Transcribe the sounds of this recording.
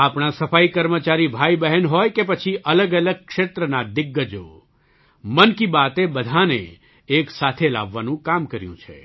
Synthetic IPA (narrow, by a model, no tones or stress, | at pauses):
apɳ̃asəfaikəɾmət͡ʃaɾibʱaibəɦənɦojkepət͡ʃʰiʔələɡələɡ̚kʂet̪ɾənad̪ɪɡːəd͡ʒo̰ | mənkibat̪ebəd̪ʱanḛ | eksat̪ʰela̰ʋːanũkamkəɾjṵ̃t͡ʃʰḛ